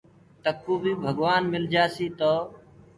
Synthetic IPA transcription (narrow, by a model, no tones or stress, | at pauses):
t̪əkuːbiːbʱəɡʋaːnmɪld͡ʒaːsiːt̪oː